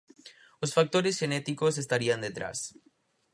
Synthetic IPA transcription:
losfak̚t̪o̞ɾesxe̞net̪iko̞s̬e̞s̬t̪aɾiand̪e̞t̪ɾa̰s

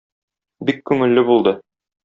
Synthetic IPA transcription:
bikkʉŋɘ̆lːɘbulˠd̪ɤ

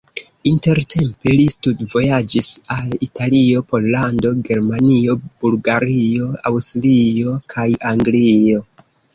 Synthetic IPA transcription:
inte̞ɾtʰe̞mpe̞listudvo̞jad͡ʒisalitʰalio̞po̞lːando̞ɡe̞ɾmanio̞b̥ulɡaɾio̞a̰wstlio̞kʰajaŋɡlio̞

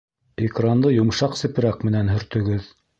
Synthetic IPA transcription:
ikrand̪ɤjŏmʃɑqsɘ̆p̆ɾæk̚mɘ̆nænɦɵ̆ɾt̪ɵ̆ɡɵð

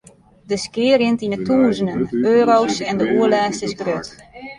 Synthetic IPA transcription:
dəskɪəɾɪntinətuːzənənøːɾowsɛndəuəlɛːstəsɡrøt

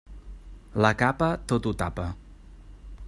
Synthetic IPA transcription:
ləkapət̪ot̪ut̪apə

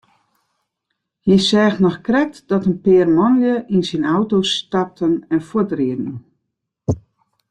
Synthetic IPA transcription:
jəsɛːxtnɔxkrɛk̚tdɔtənpɪːrmɔnjəʔinsinawtostap̚tʰənɛnfotriədn̩

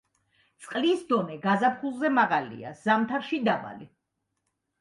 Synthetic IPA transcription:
t̪sʼqʼlisd̪ɔnɛɡazapʰχulˠzɛmaʁalḭa̰z̥amt̪ʰaɾʃid̪aba̰li

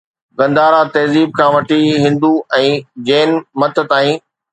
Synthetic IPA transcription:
ɡɐ̃nd̪aːɾat̪ɐːziːb̚kʰãːʋɐʈʰiɦɪ̃nd̪uɛ̃ːd͡ʑeːnmɐt̪t̪aːĩː

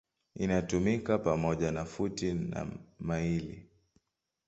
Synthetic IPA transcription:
inatumikapamɔʄanafutina̰mailḭ

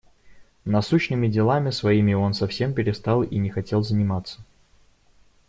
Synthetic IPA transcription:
nɐsuɕnɨmʲɪdʲɪlˠamʲɪsvɐimʲɪo̞nsɐfsʲe̞mpʲɪɾʲɪst̪alˠinʲɪxɐtʲe̞lˠzənʲɪmat̪sːə̥

